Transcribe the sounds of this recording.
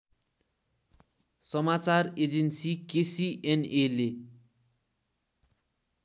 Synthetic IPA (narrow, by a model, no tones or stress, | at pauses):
sʌmat͡sared͡zensikesiʔenele